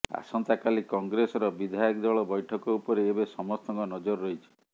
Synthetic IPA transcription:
a̰sɔnt̪akalikɔŋɡɾesɔɾɔbid̪ʱajɔkd̪ɔɭɔbɔjʈʰɔkɔupɔɾeːbesɔmɔst̪ɔŋkɔnɔd͡ʒɔɾːoɦjt͡ʃʰi̥

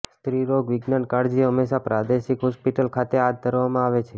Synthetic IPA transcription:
st̪ɾiɾoɡʋɪɡnaɳkaɾd͡ʒiɦəmːeʃapɾad̪eʃikɦɔspiʈəlkʰat̪ead̪̚d̪ʱəɾʋamãaʋet͡ʃʰe

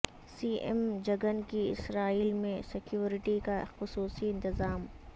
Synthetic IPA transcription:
siːʔɛ̰md͡ʒɐɡənkiɪ̰sɾaːiːlmẽsɪkjuːɾɪʈikaxʊsuːsiɪ̃nt̪ɪzaːm

